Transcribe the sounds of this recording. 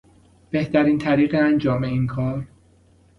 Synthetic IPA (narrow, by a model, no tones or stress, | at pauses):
b̥e̞ht̪æɾiːnt̪ʰæɾiːɣeænd͡ʒɒːme̞inkʰɒːɾ